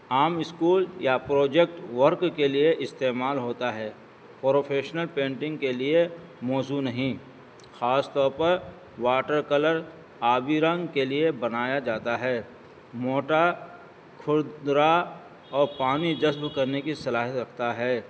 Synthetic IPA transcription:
aːmɪskuːljapɾoːd͡ʒek̚ʈʋɐɾkkelieʔɪst̪eːmaːlɦoːt̪aɦɛː | pɾoːpʰeːʃnəlpẽːɳʈɪ̃ŋɡkelie | mɔːzunɐɦĩ | xaːst̪ɔːɾpɐɾ | waːʈəɾkɐləɾ | aːbiɾɐ̃ŋɡkeliebɐnaːjad͡ʒaːt̪aɦɛː | moːʈa | kʰʊɾdd̪ɾa | ɔːɾpaːnid͡ʒɐsbkɐɾnekisɐlaːɦət̪ɾɐkʰt̪aɦɛː

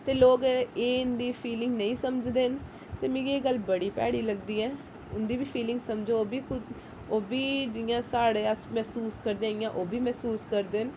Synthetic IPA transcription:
t̪eːloːɡeːʊnd̪iːpʰiːlɪ̃ŋɡnəĩːsəməd͡ʒd̪eːn | t̪eːmĩːɡieːɡəlbəɽiːpɛ̰ːɽiːləɡd̪iːɛː | ʊnd̪iːbiːpʰiːlɪ̃ŋɡsəmd͡ʒoːbiːkʊ | oːbiːd͡ʒɪjãːsaːɽeːəsmɛːsuːskəɾd̪ẽaɪjãːʔoːbiːmɛːsuːskəɾd̪eːn

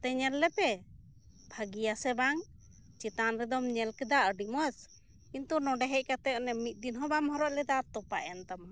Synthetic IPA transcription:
t̪ɛɲɛɾlɛpɛ | bʱaɡijasɛbaŋ | t͡ʃit̪anɾɛd̪ɔmɲɛlkɛd̪aʔəɖiməs | kint̪unɔɖɛɦɛc̚kat̪ɛɔnɛmit̪̚ˀd̪inɦɔbamhɔɾɔʔlɛd̪aɾt̪ɔpaʔɛnt̪am

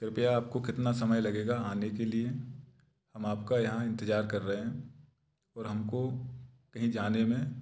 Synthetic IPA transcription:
kɪɾɪpɪjaaːp̚kokɪt̪nasɐməjlɐɡeːɡaaːnekelie | hɐmaːpkajɐɦãɪ̃nt̪ɪd͡ʒaːɾkɐɾːɐɦeɦɛ̃ | ɔːɾɦɐmkokɐɦĩd͡ʒaːnemẽ

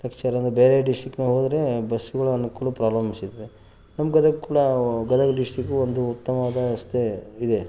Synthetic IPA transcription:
lɐkt͡ʃaɾɐnd̪ɾubeːɾeɖisʈɾikːnuːɦoːd̪ɾe̞bɐsːuɡɐɭuɐnukuːlupɾaːlɐmisid̪ɐd̪e | nɐmːɡɐd̪ɐkkuːɽɐɡɐd̪ɐkɖiʂʈɾikːuond̪uːt̪ːɐmɐʋaːd̪ɐɐst̪ʰeid̪e

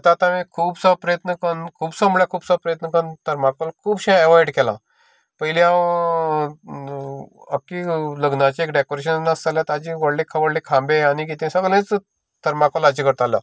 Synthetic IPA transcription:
t̪aːt̪ãmẽkʰuːbsəpɾəjət̪nəkənkʰuːbsəmbɭjakʰuːbsəpɾəjət̪nəkənt̪əɾmakəlkʰuːbɕẽɛʋajɽkɛlã̰ | pəɦiliãw | əkiləɡnat͡ɕiekɖekoɾeɕ̬ənnːasaljat̪ad͡ʑiʋəɽlẽkʰaʋəɽlekʰãmbẽanik̬it̪ẽsəɡlẽt͡s | t̪əɾmakəlad͡ʑikəɾt̪ala̰

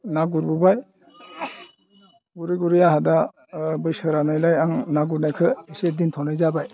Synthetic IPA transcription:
naɡuɾbɯbaj | ɡuɾiɡuɾijaɦada | bɯjsɯɾanajlajaŋnaɡuɾnajkʰɯisedintʰɔnajzabaj

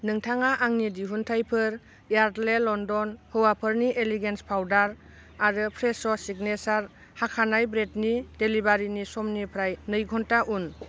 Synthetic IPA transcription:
nɯŋtʰaŋaʔaŋnidiɦuntʰajpʰɯɾ | jaɾdlelɔndɔnhɯwapʰɯɾniʔeliɡenspʰawdaɾ | aɾɯpʰɾesɔsiɡnesaɾ | hakʰanajbɾetnidelibaɾinisɔmnipʰɾajnɯjɡʱɔntaʔun

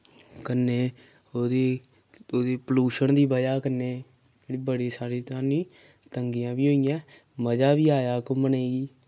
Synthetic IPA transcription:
kənːeː | oːd̪eː | oːd̪eːpəluːʃənd̪iːbəd͡ʒaːkəneː | d͡ʒeːɽiːbəɽeːsaːɾeːt̪aːnĩː | t̪əŋɡijãːbiːɦoːijãː | məd͡ʒaːbiːaːjaːkoməneːɡiː

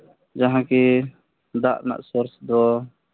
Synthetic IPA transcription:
d͡ʒaɦãkɛ | d̪aʔna̰ʔsɔɾsd̪ɔ

